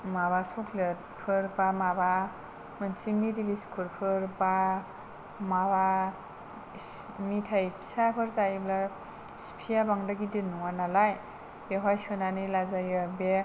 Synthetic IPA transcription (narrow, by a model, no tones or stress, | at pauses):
maβasɔkʰlɯt̚ | pʰɯɾbamaba | mɯnsʰimiɾibiskʰuɾpʰɯɾba | maβa | mitʰajpʰi̥sapʰɯɾzaibla | spʰijabaŋdaɡidinɔŋanalaj | beɦajsʰɯnanilazajɯbe